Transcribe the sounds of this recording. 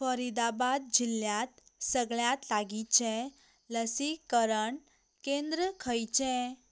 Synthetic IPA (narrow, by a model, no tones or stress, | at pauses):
fəɾid̪abad̪̚d͡ʑiljat̪̚səɡɭjat̪laɡit͡ɕẽ | ləsikːəɾəɳ | kẽnd̪ɾəkʰəjt͡ɕẽ